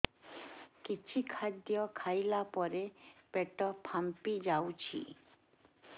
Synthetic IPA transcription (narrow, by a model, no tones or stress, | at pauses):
kit͡ɕʰikʰad̪iɔkʰajlapɔɾepeʈɔpʰampid͡ʑawt͡ɕʰḭ